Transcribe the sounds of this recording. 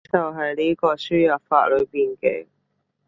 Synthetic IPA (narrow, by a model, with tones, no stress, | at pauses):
t͡sɐ˨˩wɦɐ˨˩jli˦˥kɔː˧syː˥ja˨˩fa̰ː˧˨ʔ̚lɵ˨˧biː˨˩nkḛ˧˩